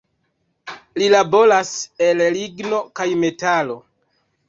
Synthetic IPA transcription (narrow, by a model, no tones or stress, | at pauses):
lilabo̞lase̞lliɡno̞kajme̞talo̞